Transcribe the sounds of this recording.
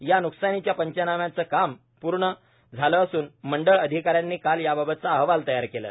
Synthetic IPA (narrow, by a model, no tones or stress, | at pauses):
januksanit͡ɕjapəɲt͡ɕənamjat͡səːkam | puɾɳə | d͡zʱaləːsuːnməɳɖəɭəd̪ʱikaɾjanːiːkaljababət̪̚t͡saəɦʋalt̪əjaɾkelə̰